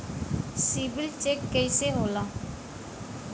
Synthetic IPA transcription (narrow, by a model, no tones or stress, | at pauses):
siːbɪlt͡ʃeːkːəiːseːɦoːlaː